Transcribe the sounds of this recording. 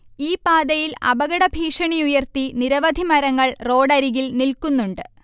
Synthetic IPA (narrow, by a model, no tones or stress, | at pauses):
iːpaːd̪ɐjilɐ̰bɐɣɐɽɐbʱiːʂɐɳiujɐrt̪iniɾɐʋɐd̪ʱimɐɾɐŋːɐɭro̞ːɽɐɾiɣilnilkunːuɳɖɨ